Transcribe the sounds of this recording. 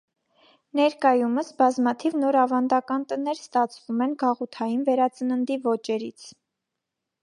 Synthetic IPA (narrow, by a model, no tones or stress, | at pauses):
nɛɾkɑjuməsbɑzmɑt̪ʰivnɔɾɑvɑnd̪ɑkɑnt̪ənɛɾst̪ɑt͡sʰvumɛnɡɑʁut̪ʰɑjinvɛɾɑt͡sənənd̪ivɔt͡ʃɛɾḭt͡sʰ